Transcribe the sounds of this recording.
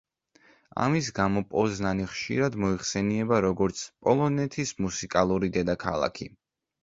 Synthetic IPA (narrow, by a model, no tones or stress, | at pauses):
a̰mis̬ɡamɔpʼɔznaniχʃḭɾad̪mɔiχsɛniɛbaɾɔɡɔɾt̪sʰpʼɔlˠɔnɛt̪ʰismusikʼalˠuɾid̪ɛd̪akʰa̰lˠa̰kʰi